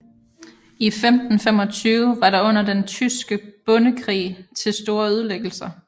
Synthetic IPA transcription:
ifemd̥n̩fem̰ɒ̽t͡sʰyːʊʋɑ̈ɾɑ̈ɔ̽n̰ɐd̥ent͡sʰysɡ̥əb̥ɔ̽nəkʰʁḭːt͡sʰe̝lsd̥o̝ːɐyð̞ˠleɡ̥l̩sɐ

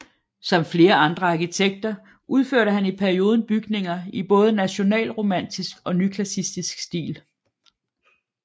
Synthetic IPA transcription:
sɒ̽mfle̝ːɐɑ̈nd̥ʁɐɑ̈kit͡sʰeɡ̥̚d̥ɐ | ʔuð̞ˠføɐ̰ɾəɦænipʰæɐio̝ːð̞ˠn̩b̥yɡ̥ne̝ŋɐib̥ɔ̽ːð̞̩ˠənæɕo̝nɛ̰ːlʁo̝mæn̰d̥isɡ̥ɒ̽nykʰlæsisd̥isɡ̥sd̥ḭːl

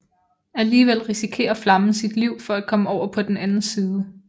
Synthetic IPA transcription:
æliːʋel̰ʁisikʰe̝̰ːɐflɑ̈məsid̥liʊ̰fɒ̽æ̥kʰɒ̽məɒʊ̰ɐpʰɒ̽d̥enænn̩siːðˠə

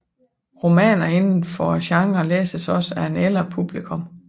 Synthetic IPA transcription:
ʁo̝mɛ̰ːnɐe̝nn̩fɒɕɑ̈ŋlḛːsəsɒ̽sæɐe̝nel̰ɐpʰub̥likʰɔ̽m

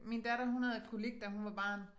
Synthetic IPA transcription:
mind̥æɾɐɦunhɛðˠe̥kʰoleɡ̥̚d̥æɦunʋɑ̈b̥ɑ̰̈ːn

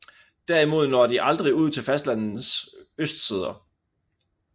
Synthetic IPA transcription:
d̥æɐimo̝ð̞̰ˠnɒːd̥iʔɑ̈ld̥ʁiuð̞̰ˠt͡sʰe̝lfæsd̥lænð̩søsd̥sið̞ˠɐ

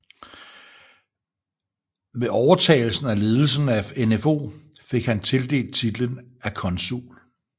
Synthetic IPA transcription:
ʋe̝ʔɒʊɐt͡sʰɛ̰ːɪl̩sn̩æle̝ːð̞ˠl̩sn̩æenefo̝̰ːfe̝ɡ̥hænt͡sʰe̝ld̥e̝̰ːld̥̚t͡sʰid̥lənækʰɒ̽nsṵːl

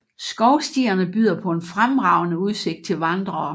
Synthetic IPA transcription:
sɡ̥ɒʊsd̥iɐnəb̥y̰ːð̰ˠɐpʰɒ̽e̝nfʁamʁɑ̈ʊ̰nəuð̞ˠse̝ɡ̥̚d̥̚t͡sʰe̝lʋɑ̈nd̥ʁɐː

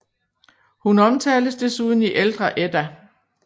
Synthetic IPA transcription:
hunɒ̽mt͡sʰɛ̰ːl̥əsd̥e̝suːð̞ˠn̩iʔeld̥ʁɐʔed̥æ

